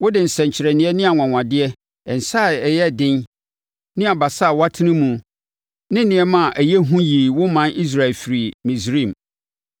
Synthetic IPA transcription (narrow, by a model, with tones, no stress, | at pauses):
wʊ˦dɪ˨n̩˨sɛ̃˨ɲ̩˨t͡ɕʰɪ˨ɾɛ˨nɪ̃˦ɛ˦nɪ̃˦a˨ŋã˨ŋã˨dɪ˦ɛ˦ | ɛ˨n̩˨sa˦˨ɛ˨jɛ˦˨dɪ̃˦n | nɪ̃˦a˨ba˨sa˦˨wa˦tʰɪ˦nɪ̃˦mũ˨ | nɪ̃˦nɪ̃˨ɛ˦mã˦˨ʔæ˨jɛ˦ɦũ˦jiː˨wʊ˦mã˦ni˦s̬ɾa˦˨e˨lfi˨ɾi˨mĩ˨sɾĩ˦˨m